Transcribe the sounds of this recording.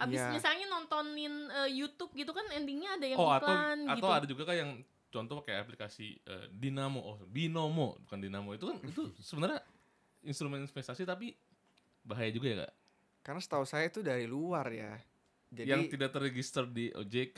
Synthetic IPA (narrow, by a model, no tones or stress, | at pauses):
ʔabjisɲasaɲanɔnt̪ɔnɪnəjut̪ʊp̚ɡit̪ukanɛndiŋɲaːdajaɔŋatlaanɡatit̪aadad͡ʒuɡakajaŋ | t͡ʃɔnt̪ɔhpakajaplikasḭə̰dinamoʔobinomo̰dukandinamoit̪ukanit̪usəbənarɲa | inst̪ɾumɛninspɛst̪asit̪ap̬i | baɦajad͡ʒuɡajaka̰ʔ | karnasə̥t̪ausajait̪udaɾiluarja̰ | d͡ʒajaŋit̪idak̚t̪əreɡist̪ərdiʔo̰d͡ʒek